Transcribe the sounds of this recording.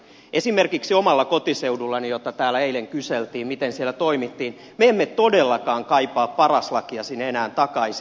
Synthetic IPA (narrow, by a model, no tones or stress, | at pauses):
esimerkiksiomɑlːɑkot̪iseudulːɑnijot̪ːɑt̪æːlːæeileŋkyselt̪iːmmit̪ensielːæt̪oimit̪ːiːn | meemːet̪odelːɑkɑːŋkɑipɑːppɑrɑslɑkiɑsinenæːnt̪ɑkɑisi